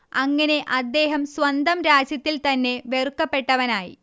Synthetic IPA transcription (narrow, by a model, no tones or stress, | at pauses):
ɐŋːɐne̞ʔɐd̪ːe̞ːɦɐmswɐnd̪ɐmɾaːd͡ʑjɐt̪ːilt̪ɐnːe̞ʋerkːɐpːe̞ʈːɐʋɐnaːjḭ